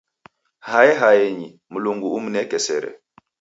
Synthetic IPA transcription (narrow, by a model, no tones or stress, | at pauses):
hajɛɦajeɲi | muluŋɡuumnɛkɛsɛ̰ɾɛ̰